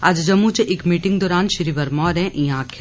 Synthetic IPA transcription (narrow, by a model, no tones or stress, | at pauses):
ad͡ʒd͡ʒɐmːut͡ʃeʔɪkmiːʈɪ̃ŋɡd̪ɔːɾaːnʃiɾiʋɐɾmɔːɾɛ̃ʔĩjãːkʰ